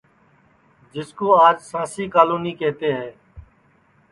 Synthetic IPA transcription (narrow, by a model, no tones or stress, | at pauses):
d͡ʒɪskoːaːd͡ʒsãːsiːkaːluːniːkeːt̪eːɦeː